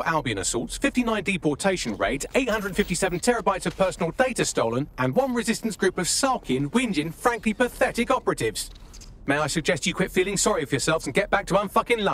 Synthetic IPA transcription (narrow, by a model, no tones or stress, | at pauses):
ʔalˠbiə̃nə̰sɔ̰lˠtsfɪftinãɪ̃ndipʰɔˑtʰeɪʃə̃nɹḛɪdeɪt̚hʌ̃ndɹədən̩fɪftisɛvə̃n̩tʰɛɹəbaɪtsəv̥pʰɜˑsənəlˠdeɪtəstoʊlə̃nʔə̃nwʌ̃nɹɪzɪstə̃n̩sɡ̥ɹʉˑpəv̥sɑˑkʰɪ̃nwɪ̃nd͡ʒɪ̃nfɹãŋklipʰəθɛtɪkɒpəɹətɪvz̥ | meɪaɪsəɡ̚d͡ʒɛst͡ʃəkʰɪtfiːlɪ̃ŋsɒɹiəvjəsɛlˠvzə̃nɡɛʔ̚b̥ak̚tʰəʌ̃nfʌkɪ̃ŋlʌ